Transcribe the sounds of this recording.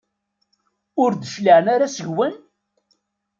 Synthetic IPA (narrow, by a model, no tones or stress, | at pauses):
ʊɾd̪əʃliʕnaɾasəʝwən